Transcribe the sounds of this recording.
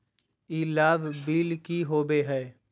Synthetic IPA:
iːlaːʋbiːlkiɦoːbeɦɛː

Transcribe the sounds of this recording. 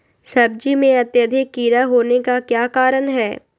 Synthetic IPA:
sɐb̚d͡ʒimẽɐt̪jəd̪ʱikːiːɾaɦoːnekakjaːkaːɾənɦɛː

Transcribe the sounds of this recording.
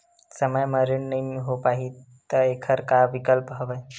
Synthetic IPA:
səməjməɾiɳnəĩɦopaɦi | t̪əekʰəɾkaʋikəlpɦəʋəj

